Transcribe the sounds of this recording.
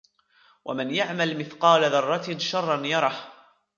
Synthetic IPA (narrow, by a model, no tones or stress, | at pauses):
wʔa̰mɪnjaʕmalmɪθqɑːlaðɑrˤːɑt̪ʃɑrˤːɑnjɑɾˤɑh